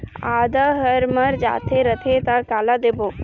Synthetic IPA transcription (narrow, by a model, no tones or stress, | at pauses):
aːd̪aɦəɾməɾd͡ʒa̰ːt̪ʰeɾət̪ʰet̪akaːlad̪eːbo